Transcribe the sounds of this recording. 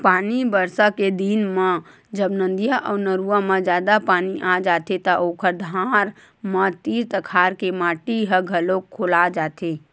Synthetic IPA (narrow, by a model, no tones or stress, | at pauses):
paːnibəɾsaked̪inma | d͡ʒəbnə̃nd̪ijaʔɔːɾnəɾuamãd͡ʒjaːd̪apaːniʔad͡ʒaːt̪et̪əʔoːkʰəɾd̪ʱaːɾ | mãt̪iːɾt̪əkʰaːɾkemaːʈiɦəɡʱəlokʰːoːlad͡ʒaːt̪ʰe